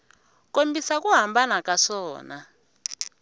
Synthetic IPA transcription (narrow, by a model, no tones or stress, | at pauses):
kombisakuɦambanakasɔːna